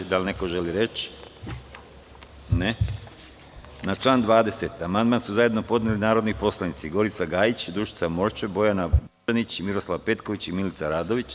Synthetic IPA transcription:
d̪alʲne̞ko̞ʒe̞liɾe̞t͡ɕ | ne | nat͡ʃlˠaːnd̪ʋaːd̪e̞set̪amand̪mansuzaje̞d̪no̞po̞d̪nelinaːɾod̪nipo̞slˠanit̪siɡo̞ɾit̪saɡaːjit͡ɕd̪ɾuʃi̥t̪samo̞ɾt͡ʃebo̞janabuanit͡ɕimiɾo̞slˠaʋpe̞t̪ko̞ʋit͡ɕimilit̪saɾaːd̪o̞ʋit͡ɕ

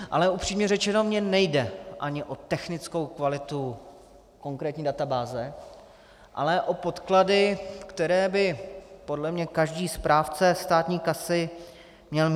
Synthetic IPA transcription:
ʔa̰lɛupr̥iːmɲɛrɛt͡ʃɛno̞mɲɛnɛjdɛʔaɲɪʔo̞t̪ɛxnɪt͡sko̞wkvalɪt̪u | ko̞ŋkɾɛːt̪ɲiːdat̪abaːzɛ | ʔa̰lɛʔo̞po̞t̪kladɪkt̪ɛɾɛːbɪpodlɛmɲɛkaʒdiːspɾaːft͡sɛst̪aːt̪ɲiːkasɪ | mɲɛlm

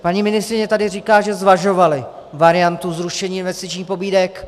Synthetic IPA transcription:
paɲiːmɪnɪst̪ɾɪɲɛt̪adɪriːkaːʒɛzvaʒo̞valɪ | vaɾɪjant̪uzɾuʃɛɲiːɪnvɛst̪ɪt͡ʃɲiːxpo̞biːdɛk

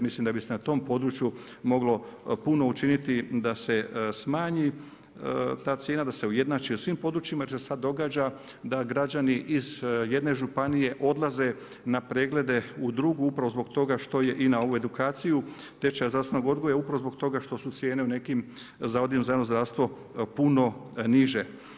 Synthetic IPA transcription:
mislimd̪abisenat̪o̞ːmpo̞d̪ɾut͡ʃju | mo̞ɡlo̞puno̞ut͡ʃinit̪id̪ase̞smaːɲi | t̪aːt̪sjeːnad̪ase̞uje̞d̪naːt͡ʃiusʋimpo̞d̪ɾut͡ʃimajeɾsesad̪ːo̞ɡaːd͡ʑa | d̪aɡɾad͡ʑaniʔizje̞d̪ne̞ʒupanije̞ʔo̞d̪laze̞ | napɾe̞ːɡle̞d̪e̞ud̪ɾuɡuupɾaʋozbo̞ɡt̪o̞ɡaʃt̪o̞je̞ʔinao̞ʋue̞d̪ukaːt̪siju | t̪e̞t͡ʃajazd̪ɾaʋst̪ʋe̞noɡo̞d̪ɡo̞jaupɾaʋozbo̞ɡ̚t̪o̞ɡaʃt̪o̞sut̪sje̞ːne̞une̞kim | zaod̪ijemzano̞zdɾaʋst̪ʋo̞ | puno̞niʒe̞

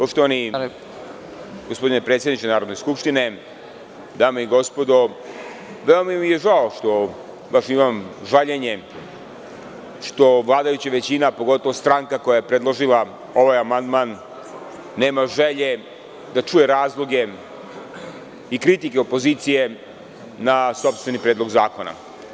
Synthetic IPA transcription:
poʂt̪oʋani | ɡospo̞d̪inepɾet̪sjed̪nit͡ʃenaːɾod̪no̞jskupʂʃt̪ine̞ | d̪aːmeiɡo̞spo̞d̪o̞ | ʋeomamijeʒaoʂt̪o̞ | baʃimamʒaʎeɲe̞ | ʂt̪o̞ʋlˠaːd̪ajut͡ɕaʋe̞t͡ɕinapo̞ɡo̞t̪o̞ʋost̪ɾaŋkako̞jajepɾed̪lˠo̞ʒilˠa | o̞ʋajamand̪manː | e̞ːmaʒeʎe̞ | d̪at͡ʃuje̞ɾaːzlˠo̞ɡe̞ | ikɾit̪ikeopo̞ziːt̪sije̞ | naso̞pst̪ʋe̞nipɾed̪lo̞ɡzaːko̞na̰

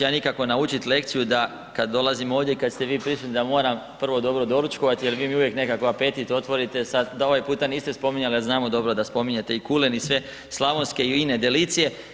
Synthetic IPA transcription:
janikako̞naut͡ʃit̪le̞k̚t̪sijud̪a | kad̪ːo̞lazimo̞ːʋd̪ʲjeikad̪st̪e̞ʋiːpɾisut̪nid̪amo̞ːɾampr̩ʋo̞d̪o̞bɾo̞d̪o̞ɾut͡ʃko̞ʋat̪ijelʋiːmiuʋje̞kne̞kako̞ape̞t̪it̪o̞t̪ʋo̞ɾit̪e̞sad̪d̪aoʋajpuːt̪aniːst̪espo̞miɲaliznaːmo̞d̪o̞bɾod̪aspo̞miɲe̞t̪e̞ikulenisʋe̞ | slˠaʋo̞nske̞iine̞d̪eliːt̪sije̞

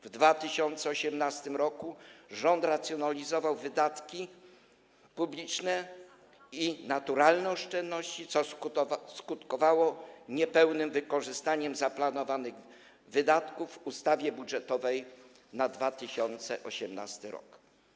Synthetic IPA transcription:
vd̪vat̪ɘɕɔnt̪sɛɔɕɛmnast̪ɘmɾɔkuʐɔnt̪ɾat̪sʲjɔnalʲizɔvawvɘd̪at̪kʲi | publʲit͡ʂnɛ | inat̪uɾalnɛɔʂt͡ʂɛnd̪nɔɕt͡ɕit̪sɔskut̪kɔvawɔɲɛpɛwnɘmvɘkɔʐɘst̪aɲɛmzaplanɔvanɘɣ | vɘd̪at̪kuvːust̪avʲjɛbudʐɛt̪ɔvɛj | nad̪vat̪ɘɕɔnt̪sɛʔɔɕɛmna̰st̪ɘɾɔ̰k

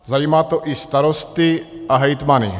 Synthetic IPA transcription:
zajiːmaːt̪oʔist̪aɾost̪ɪʔaɦɛjt̪manɪ̰

